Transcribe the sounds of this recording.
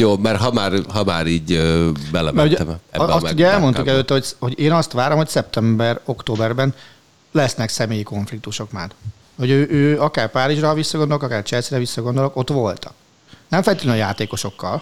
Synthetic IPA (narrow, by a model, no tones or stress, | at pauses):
joːmɛrɦɒmaːrɦɒmaːɾiːɟbɛlɛ̰mɛuɛmɛ̰bɒsuɟɛɛlmo̞nt̪ukɛløːt̪ːɛho̞csho̞ɟeːnɒst̪ʋaːɾo̞mho̞csɛp̚t̪ɛmbɛro̞kt̪oːbɛrbɛn | lɛsnɛksɛmeːjiko̞ɱflik̚t̪uʃo̞kmaːr | ho̞ɟøːʔøːɒkaːrpaːɾiʒrɒvisːɒɡo̞nd̪ookɒkaːrt͡ʃɛlsiɾɛvisːɒɡo̞nd̪olo̞ko̞t̪ʋo̞lt̪ɒ̥k̚ | nɛmfɛlɛt̪lønjaːt̪eːko̞ʃo̞kːɒl